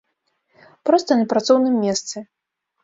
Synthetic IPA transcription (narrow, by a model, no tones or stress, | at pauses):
pɾɔst̪ɐnʲɐpɾat̪sɔwnɨmːʲɛst̪sɨ